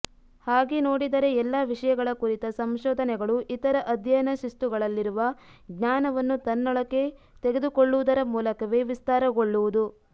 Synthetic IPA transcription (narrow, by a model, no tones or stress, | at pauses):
haːɡenoːɽid̪ɐɾe̞ɛlːɐːʋiʂɐjɐɡɐɭɐkuɾit̪ɐsɐmʃɔːd̪ʱɐnɛɡɐɭuʔit̪ɐɾɐʔɐd̪ʱjɐnɐʃist̪uɡɐɭɐlːiɾuʋɐɡɲaːnɐʋɐnːut̪ɐnːɔɭɐkːe̞ | t̪eɡe̞d̪ukoɭːuʋud̪ɐɾɐmuːlɐkɐʋe̞ʋist̪aːɾɐɡo̞ɭːuʋud̪u